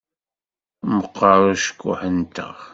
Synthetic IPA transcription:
məqːəɾˤaʃə̥kʷːʊ̰ħənt̪ə̰ʁ

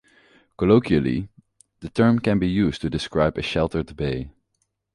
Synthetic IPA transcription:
kəloʊkiəlḭ | ðətʰɜ˞mkɛ̃nbijuːztʰudɨskɹaɪbɨʃɛlˠtʰə˞dbeɪ

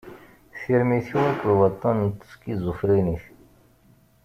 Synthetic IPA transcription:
θiɾmiθiwʊɾkɾwɑt̪ˤːɑnt̪ˤːə̥skizˤʊfɾiniθ

